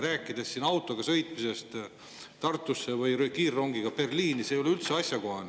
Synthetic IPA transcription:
ɾæːkːˑid̪esːinɑwt̪ˑo̞ɡ̥ɑsɤ̞jt̪mise̞st̪ | t̪ɑrt̪ːˑusːevɯjɾøkiːrːo̞ŋɡiɡ̥ɑpe̞rliːnisejo̞le̞ylt̪seɑsjɑko̞ɦɑn

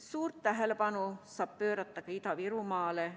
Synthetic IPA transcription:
suːrt̪ːtæɦelepɑnusɑːppøːɾɑt̪ːɑkɑit̪ɑʋiɾumɑːle

